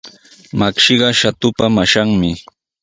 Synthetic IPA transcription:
makʃɪɢɑʃat̪ʊpamaʃaŋmɪ

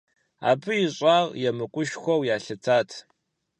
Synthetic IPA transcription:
a̰ːbɨjɪɕʼaːʁjɛmɨkʷʼʊʃxʷɔwjaːɬɨt͡sʰaːtʰ

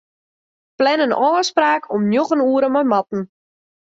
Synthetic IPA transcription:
plɛnənʔɔːspraːkʰɔmnjoxənuəɾəmɔjmatn̩

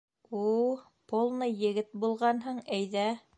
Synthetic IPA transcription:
ul | polˠnɤjɘ̆ɡɘt̪̚bulˠʁɑnɦɤɴæjðæ

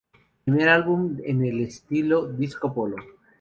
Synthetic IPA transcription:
pimeɾalβumḛnelest̪iloðiskopolo

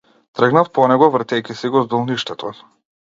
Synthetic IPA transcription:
t̪rəɡnafpɔnɛɡɔvrt̪ʲɛjkʲisiɡɔzd̪ɔlˠniʃt̪ɛt̪ʰɔ

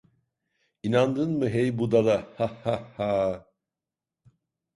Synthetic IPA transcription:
inand̪ɯnmɯɦejbud̪alˠahahahaː

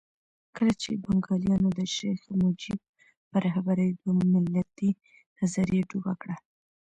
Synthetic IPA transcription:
kəlat͡ʃḛbaŋɡɑljɑnod̪əʃajxmʊd͡ʒib̚ | pəɾahbaɾad̪omɪlːat̪i | nazaɾjeɖubakɽa

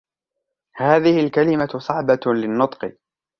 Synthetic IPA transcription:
haːðɪhɪlkalɪmasˤɑʕbɑlɪnːʊt̪ˤqɨ

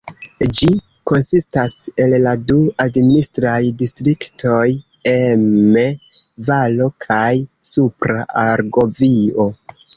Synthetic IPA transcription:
d͡ʒi | ko̞nsistase̞lːaduadministɾajdistɾiktʰo̞j | eme | valo̞kʰajsupɾaaɾɡo̞vio̞

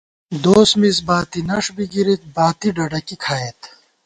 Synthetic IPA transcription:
d̪oːsmisbaːt̪inɐʂbiɡiɾit̪̚baːt̪iɖɐɖɐkikʰaːet̪

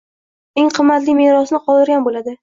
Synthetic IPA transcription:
e̞ŋqʰɨmːat̪lijmeɾɒsnɪqʰɒlˠd̪ɪɾɡʲanbolad̪ɪ

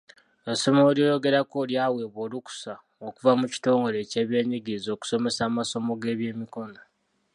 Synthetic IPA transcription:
eso̞mo̞ːljojo̞ɡe̞ɾako̞ːljaːwe̞ːβo̞ːluku̥sa | okuvamuci̥to̞ːŋɡo̞le̞ceːβje̞ːɲiɡizo̞ːku̥so̞me̞saːmaso̞mo̞ɡe̞ːβje̞ːmiko̞no

